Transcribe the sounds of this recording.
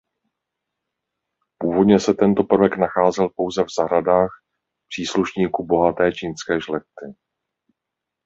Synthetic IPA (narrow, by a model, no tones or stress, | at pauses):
puːvo̞dɲɛsɛt̪ɛnt̪o̞pr̩vɛknaxaːzɛlpo̞wzɛvzaɦɾadaːx | pr̥iːsluʃɲiːkubo̞ɦat̪ɛːt͡ʃinskɛːʒlɛkt̪ɪ